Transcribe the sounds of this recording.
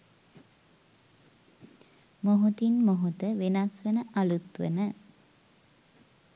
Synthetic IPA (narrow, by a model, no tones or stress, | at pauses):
moɦut̪inmoɦut̪əʋenasʋənəʔalut̪ʋə̰nə